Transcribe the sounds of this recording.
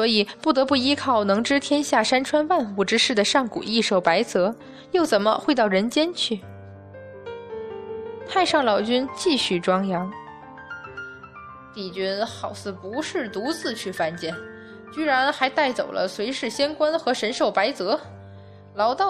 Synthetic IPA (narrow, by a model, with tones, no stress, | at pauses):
swɔ˧˥i˨˩pu˥˩t̪ɤ˧˥pu˥˩i˥kʰɑ˥˩ʊnɤ˧˥ŋʈ͡ʂɻ̩˥t̪ʰjɛ˥nɕja˥˩ʂa˥nʈ͡ʂʰwa˥nwa˥˧nxu˥˩ʈ͡ʂɻ̩˥ʂɻ̩˥˩d̪ə˩ʂɑ˥˩ŋkṵ˨˩i˥˧ʂo˨˩ʊpa˧˥ɪt͡sɤ˧˥ | jo˥˩ʊt͡sə˨˩nmə̰˦xwe˥˧ɪt̪ɑ˥˩ʊɻə˧˥nt͡ɕjɛ˥nt͡ɕʰy˥˩ | tʰa˥˧ɪʂɑ˥˩ŋlɑ˨˩ʊt͡ɕy˥nt͡ɕi˥˧ɕy˥˩ʈ͡ʂwɑ˥ŋjɑ˧˥ŋ | t̪i˨˩t͡ɕy˥nxɑ˨˩ʊsɹ̩˥˩pu˧˥ʂɻ̩˥˩t̪u˧˥t͡sɹ̩˥˧t͡ɕʰy˥˩fa˥˩nt͡ɕjɛ˥˩n | t͡ɕy˥ɻa˧˥nxa˧˥ɪt̪a˥˩ɪt͡so˨˩ʊlə̰˦swe˧˥ɪʂɻ̩˥˩ɕjɛ˥nkwa˥nxɤ˧˥ʂə˧˥nʂo˨˩ʊpa˧˥ɪt͡sɤ˧˥ | lɑ˧˥ʊt̪ɑ˥˩